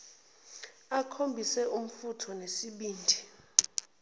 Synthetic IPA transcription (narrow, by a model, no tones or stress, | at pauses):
akʰombʱisɛʔum̩futʰɔnesiɓiːndʱi